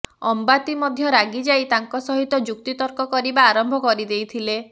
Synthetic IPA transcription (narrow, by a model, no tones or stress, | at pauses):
ɔmbat̪imɔd̪ʱjɔɾaɡid͡ʒajt̪aŋkɔsɔɦit̪ɔd͡ʒuk̚t̪it̪ɔɾkɔkɔɾibaːɾɔmbʱɔkɔɾid̪ejt̪ʰile